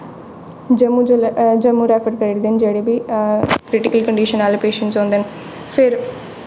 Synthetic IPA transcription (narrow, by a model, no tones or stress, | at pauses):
d͡ʒmud͡ʒd͡ʒəmuɾɛːpʰəɾkəɾeɾd̪end͡ʒeːɽebiːkɾɪʈɪkəlkəɳɖiːʃənaːlepeːʃə̃ɳʈsõːnd̪en | pʰɪɾ